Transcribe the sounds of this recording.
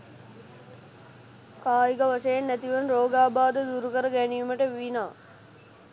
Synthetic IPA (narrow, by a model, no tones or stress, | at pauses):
kaːiɡaʋaʂəjenːæt̪iʋənɾoːɡaːbaːd̪əd̪uɾukəɾəɡænijuməʈəʋiʋinaː